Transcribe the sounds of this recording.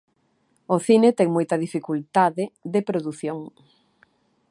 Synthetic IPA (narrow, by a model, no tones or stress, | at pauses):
oθinet̪ɛŋmojt̪ɐðifikult̪aðɪðepɾoðuθjoŋ